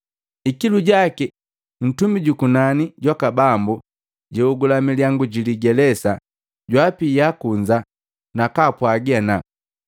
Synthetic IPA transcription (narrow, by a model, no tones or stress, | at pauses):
ikiluɟaki | n̩tumiɟukunaniɟwakabambu | ɟɛuɡulamiliaŋɡuɟiliɡɛlɛsa | ɟwapijakuɲd͡ʒa | nakapwaɡiana